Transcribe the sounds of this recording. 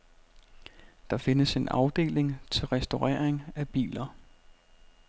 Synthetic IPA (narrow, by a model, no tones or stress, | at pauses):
d̥ɑ̈fe̝nəse̝nʔɑ̈ʊd̥e̝̰ːleŋt͡sʰe̝lʁɛsd̥o̝ʁɛːɐ̰eŋæb̥ḭːlɐ